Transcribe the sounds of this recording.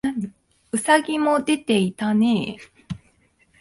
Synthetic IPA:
naɲi | ɯ̟saɡʲimo̞d̪e̞t̪e̞it̪ane̞ː

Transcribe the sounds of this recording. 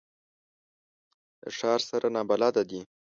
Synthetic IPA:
d̪ə̰ʂɑɾsaɾʔanɑbalɑd̪ad̪i

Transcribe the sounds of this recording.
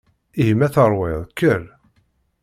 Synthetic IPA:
iɦmæθəɾˤwɪðˤkːəɾ

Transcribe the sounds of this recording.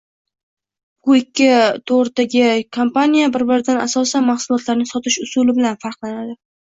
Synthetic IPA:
b̥ʊɪkʲːɪt̪ʰoɾt̪aɡʲɪkʰompanijabɪɾbɪɾɪd̪anasɒsanmaχsʊlˠɒt̪ʰlaɾnɪsɒt̪ʰɪʃʊsʊlɪbɪlanfaɾqlˠanad̪ɪ

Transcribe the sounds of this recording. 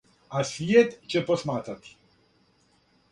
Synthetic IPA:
asvʲjɛt̪t͡ʃɛposmaːt̪at̪i̥

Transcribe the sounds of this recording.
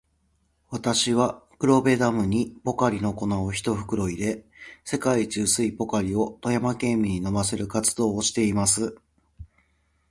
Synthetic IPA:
βat̪aɕiβakɯ̟ɾo̞be̞d̪amɯ̟ɲ̟ipo̞kaɾʲino̞ko̞naoçi̥t̪o̞ɸɯ̟̥kɯ̟ɾo̞id̪e̞se̞kait͡ɕɨːsɨipo̞kaɾʲio̞t̪o̞jamakẽ̞ːmʲiɲ̟ino̞base̞ɾɯ̟kat͡sɨ̥d̪o̞ːɕi̥t̪e̞imasɨ

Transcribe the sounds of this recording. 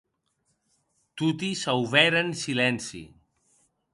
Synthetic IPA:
t̪ut̪isawβɛɾənsilɛnsḭ

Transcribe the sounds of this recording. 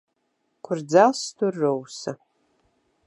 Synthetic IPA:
kʷʰʊrd͡zastʰɨrːowsɐ

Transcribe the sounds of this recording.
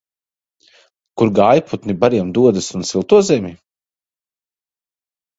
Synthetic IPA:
kuɾɡaːjput̪nibaɾiɛmd̪uɔd̪ɐsunsilˠt̪uɔzɛmʲi

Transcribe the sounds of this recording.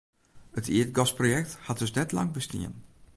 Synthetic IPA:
ətʰiətɡɔsprojɛkthat̚dɵsnɛtlɑ̰ŋbəstḭən

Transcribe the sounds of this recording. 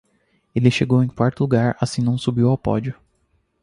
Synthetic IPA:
elɪʃeɡowẽj̃kwaɾt̪ʊluɡaɾasĩnɐ̃w̃subiwawpɔ̰d͡ʒiʊ

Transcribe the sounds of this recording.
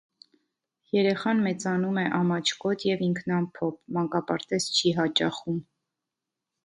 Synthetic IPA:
jɛɾɛχɑnmɛt͡sɑnumɛʔɑmɑt͡ʃʰkɔt̪ʰjɛviŋkʰnɑmpʰɔpʰmɑŋkɑpɑɾt̪ɛzt͡ʃʰiɦɑt͡ʃɑχum

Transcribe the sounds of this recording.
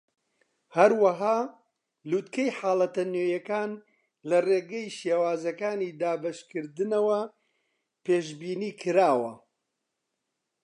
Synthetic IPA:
hɐɾwɐɦaː | luːt̪kɐjħaːlɐt̪ɐnoːjɐkaːn | lɐreːɡɐjʃjewaːzɐkaːniːd̪aːbɐʃkɨɾd̪ɨnɐwɐ | peːʃbiːniːkʰɨɾaːwɐ

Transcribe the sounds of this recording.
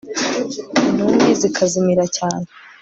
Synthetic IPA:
numɡizikʰazimiɾacaːne

